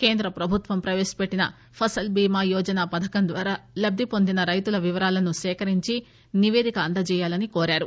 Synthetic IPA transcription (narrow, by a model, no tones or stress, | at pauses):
keːnd̪ɾɐpɾɐbʱut̪ʋɐmpɾɐʋeːsi̥peʈːinɐ̰ | pʰɐsɐlbiːmaːjɔːd͡ʒɐnaːpɐd̪ʱɐkɐnd̪ʋaːɾaːlɐb̚d̪ʱipo̞nd̪inɐɾɐjt̪ulɐʋiʋɐɾaːlɐnusɛːkɐɾiɲt͡ʃi | niʋe̞ːd̪ikɐːnd̪ɐt͡ʃɛːjaːlɐnikoːɾaːɾu